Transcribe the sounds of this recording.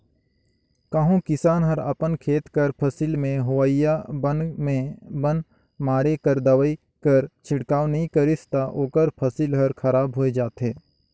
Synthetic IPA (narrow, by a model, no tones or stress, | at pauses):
kəɦũkɪsaːnɦɐɾəpənkʰeːt̪kəɾpʰɐsiːlmẽɦowaːɪjabnmẽbən | maːɾekəɾd̪ɐʋəi | kəɾt͡ʃʰɪɽkaːnɐɦĩkəɾɪst̪aʔoːkəɾpʰɐsilɦɐɾkʰɐɾaːbɦoːed͡ʒaːt̪ɦeː